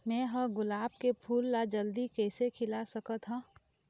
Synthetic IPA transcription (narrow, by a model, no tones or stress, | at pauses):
mɛ̃ːɦəɡʊlaːb̚kepʰuːlːad͡ʒɐld̪ikɛːsekʰɪlasɐkət̪ɦãː